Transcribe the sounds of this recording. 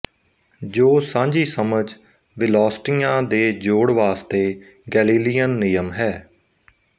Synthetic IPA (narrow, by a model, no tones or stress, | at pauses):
d͡ʒoːsãːɲd͡ʒiːsəməd͡ʒ | ʋɪlɔːsʈijãːd̪eːd͡ʒoːɽʋaːst̪eː | ɡɛːliːlijənːɪjəmɦɛː